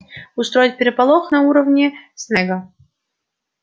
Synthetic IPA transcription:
ʊst̪ɾojɪt̪̚ʲpʲɪɾʲɪpalˠoxnɐuɾəvnʲɪsnɛɡə

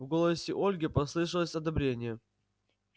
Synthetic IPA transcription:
vɡo̞lˠəsʲɪʔo̞lʲɡʲɪpɐslˠɨʂɨlˠəsʲɐd̪ɐbɾʲenʲɪjə

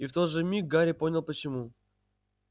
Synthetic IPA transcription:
ift̪o̞t̪ʐɨmʲik̚ɡaɾʲɪpo̞nʲɪlˠpət͡ɕɪmu

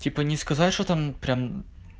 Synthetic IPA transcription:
tʲipɐnʲiskɐzaʃɔt̪ampɾʲam

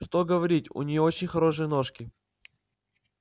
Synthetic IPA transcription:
ʂt̪oɡəvɐɾʲitʲʊ̰nʲijot͡ɕɪnʲxɐɾo̞ʂɨjəno̞ʂkʲɪ

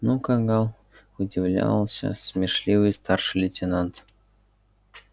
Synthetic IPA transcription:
nukɑŋɡɑlˠ | udʲivlʲɑ̰lˠɕʲə̰smʲerʂlʲivɨjst̪ɑrʂɨlʲetʲenɑnt̪

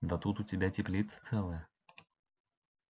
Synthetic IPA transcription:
d̪ɐt̪ut̪ʊtʲɪbʲatʲɪplʲit̪sə̥t̪sɛlˠəjə

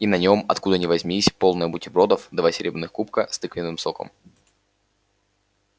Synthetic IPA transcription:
inɐnʲo̞mɐ̰t̪kud̪ənʲɪvɐzʲmʲisʲpo̞lˠnəjəbʊtʲɪbɾo̞d̪əfd̪vasʲɪɾʲebɾɪnɨxkup̚kəst̪ɨkvʲɪnɨmso̞kə̰m

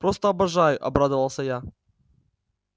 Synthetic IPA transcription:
pɾost̪əɐbɐʐajʊʔɐ̰bɾad̪ɨvɐlˠsʲɐja

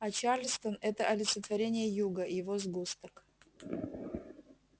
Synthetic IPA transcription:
ɐt͡ɕarlʲst̪ənɛt̪əʔɐlʲɪt̪sət̪vɐɾʲenʲɪjəjuɡəjɪvozɡust̪ək

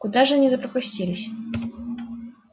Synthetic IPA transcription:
kʊd̪aʐɨnʲɪzəpɾɐpʊsʲtʲilʲɪsʲ

